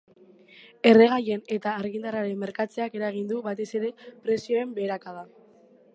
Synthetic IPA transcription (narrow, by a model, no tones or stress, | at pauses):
e̞re̞ɣ̞aje̞ne̞t̪aːɾɣind̪araɾe̞mːe̞ɾkat͡se̞ake̞ɾaeɣ̞ind̪uβat̪e̞se̞ɾe̞pɾe̞sio̞e̞mbe̞ːɾakað̞a